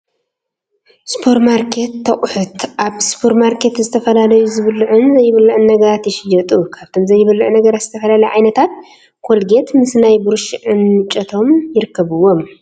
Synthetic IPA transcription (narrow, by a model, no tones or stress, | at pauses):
spʰo̞ɾmaɾkʰe̞t̪ːɐχʼħʊt̪ʔaβspʰo̞ɾmaɾkʰe̞t̪zɨt̪ʰɐfɐlalɐjuzɨβɨlːɨʕʊnzɐjːɪβɨlːɨʕɨnːɐɡɐɾat̪jɪʃɪjːɐt̪ʼukʰaβt̪ʰomzɐjːɪβɨlːɨʕunɐɡɐɾat̪zɨt̪ʰɐfɐlalɐjʕajnɐt̪ʰat̪̚ | kʰolɡe̞t̪mɨsnajbuɾʃʕɨnt͡ʃʼːɐt̪ʰo̞mjɪɾɨkʰːɐβɨwːo̞m